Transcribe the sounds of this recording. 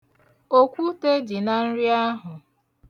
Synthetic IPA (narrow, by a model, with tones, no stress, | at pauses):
o˦kʷu˦te˦d͡ʒi˨na˨n̩˦ɾi˦a˦ɦʊ˨